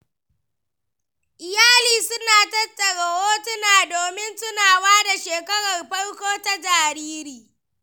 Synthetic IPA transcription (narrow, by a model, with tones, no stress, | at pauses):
ʔɪ˨jaː˦liː˨sʊ˦naː˨tɐ˦tʼːɐ˨ɽa˨woː˦tʊ˦naː˨doː˨mɪ˦nsʊ˦naː˨waː˦da˨ʃeː˨kɐ˦ɽɐ˨rɸɐ˦ɽkʷoː˦ta˦d͡ʒaː˨ɾiː˦ɾiː˨